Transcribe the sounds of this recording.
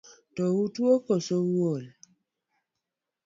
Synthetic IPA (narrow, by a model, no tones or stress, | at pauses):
tɔwutwokɔsowwol